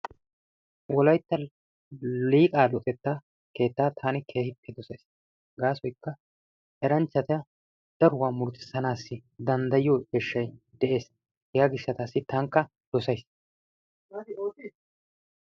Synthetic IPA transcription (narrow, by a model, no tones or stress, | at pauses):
wɔlɐjt̪ːɐ | liːkʼaːlɔt̪ʼɛt̪ːaː | ke̞ːt̪ːaːt̪ʰaːnɪkʰe̞ːhɪpʰːɛd̪ɔsɐjs | ɡaːsɔjkːɐ | ʔɛɾɐnt͡ʃːɐt̪ɪɐ | d̪̥ɐɾʊwaːmʊɾt̪ɪ̥sɐnaːsːɪd̪ɐnd̪ɐjɪjɔɛʃːɐjd̪ɛʔe̞ːs | hɪɡaɡɪʃːɐt̪aːsːɪt̪ɐŋkːɐ | d̪̥ɔsɐjs